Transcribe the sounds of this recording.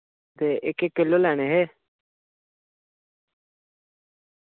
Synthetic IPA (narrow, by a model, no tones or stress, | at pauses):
d̪eːʔɪkːekːɪlːolɛːñeːɦeː